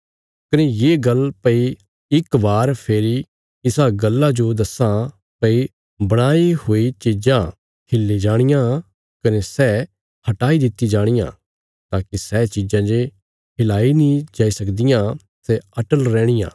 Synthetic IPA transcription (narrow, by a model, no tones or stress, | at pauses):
kɐnejeːɡɐlpɐi | ɪkbaːɾpʰeːɾi | ɪsaɡɐlːãd͡ʒod̪ɐsã | pɐi | bɐɽ̃aːihoːit͡ʃid͡ʒã | kʰɪlːid͡ʒaːɽ̃ɪjã | kɐnesɛː | hɐʈaːid̪ɪt̪ːid͡ʒaːɽ̃ɪjã̰ː | t̪aːkisɛt͡ʃid͡ʒãd͡ʒe | kʰɪlaːinĩd͡ʒaːisɐkd̪ɪjã | sɛɐʈəlɾɛːɽ̃ɪjã̰ː